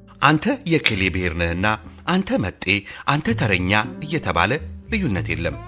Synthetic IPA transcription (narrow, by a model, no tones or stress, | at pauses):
ʔant̪ʰəjɛkʰelebɨheɾnəhɨnːaʔant̪ʰəmət̪ʼːe̞ʔant̪ʰət̪ʰəɾəɲːaʔɨjːɛt̪ʰəβa̰ləlɨjːunːət̪jelːəm